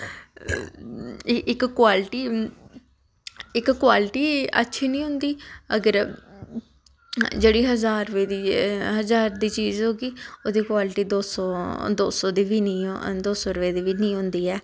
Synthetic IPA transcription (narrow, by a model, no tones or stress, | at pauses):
ɪkkwaːlʈiː | ɪkːwaːlɪʈiːə̰tːʃʰiːnĩːɦʊ̃nd̪iːəɡəɾ | d͡ʒeːɽiːɦəzaːɾʋeːd̪iːɦəzaːɾd̪iːt͡ʃiːzɦoːɡiːoːd̪iːkwaːlɪʈiːd̪oːsɔːd̪oːsɔːd̪iːʋiːnĩd̪oːsɔːɾəʋeːd̪iːʋiːnĩːɦʊ̃nd̪iːɛː